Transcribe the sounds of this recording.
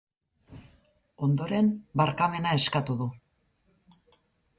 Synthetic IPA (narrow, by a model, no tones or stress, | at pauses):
o̞nd̪o̞ɾe̞mbaɾkame̞nae̞skat̪uðu